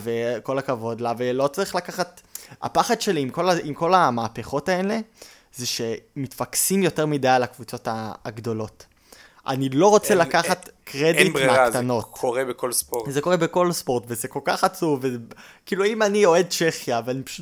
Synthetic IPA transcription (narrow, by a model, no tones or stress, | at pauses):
veko̞lakavo̞dlavelo̞t͡saʁiχlakaχata̰paχad̪ʃe̞liimko̞laimko̞lamaːpeχo̞taele̞ | zeʃe̞mitfaksimjo̞te̞ʁmidajalakvut͡so̞taɡdolo̞t | ʔa̰nilo̞ʁo̞t͡selakaχatkʁedintmeat̪ano̞t̪ʰoʁebekolspozeko̞ʁebeko̞lspo̞ʁtvezeko̞lkaχat͡suvez | kiːluimanio̞e̞d̚t͡ʃeχjaveanipḁʃu